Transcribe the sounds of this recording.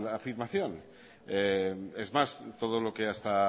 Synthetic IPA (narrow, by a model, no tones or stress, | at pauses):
afiɾmaθjo̞n | eezmast̪o̞ð̞olo̞ke̞ast̪a